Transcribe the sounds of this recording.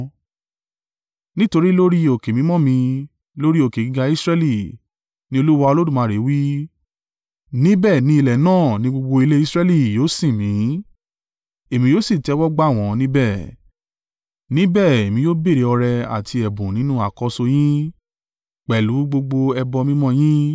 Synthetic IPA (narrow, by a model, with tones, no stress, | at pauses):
nĩ˦to˧ɾi˦lo˦ɾi˦o˨ke˨mĩ˨˦mɔ̃˦mĩ˧ | lo˦ɾi˦o˨ke˨ɡi˧ɡa˧i˦sɾɛ˦li˦˨ | nĩ˦o˧lu˦wa˧o˧lo˦dũ˦˨mã˨˦˨ɾe˨˦wi˦ | nĩ˦bɛ˦˨nĩ˧i˧lɛ˨nãː˦˨nĩ˧˦ɡ͡bo˧ɡ͡bo˧i˧le˦i˦sɾɛ˦li˦˨joː˨˦sĩ˦˨mĩ˨˦ | e˨mĩ˧joː˦si˦˨tɛ˨˦wɔ˦ɡ͡ba˦˨w̃ɔ̃˨˧nĩ˦bɛ˦˨ | nĩ˨˦bɛ˦˨e˨mĩ˧joː˦be˦˨ɾe˨˦ɔ˧ɾɛ˧a̰˨ti˧ɛ˨bũ˨nĩ˨˦nũ˦a˨kɔ˧so˧j̃ĩ˦ | k͡pɛ˨lu˨˦ɡ͡bo˧ɡ͡bo˧ɛ˧bɔ˧mĩ˦mɔ̃˦j̃ĩ˦